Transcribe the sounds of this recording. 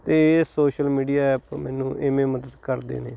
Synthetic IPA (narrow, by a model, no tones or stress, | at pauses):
t̪eːeːsoːʃəlmiːɖiːaːɛːpmɛːnũːʔemẽːməd̪əd̪kəɾd̪ḛːneː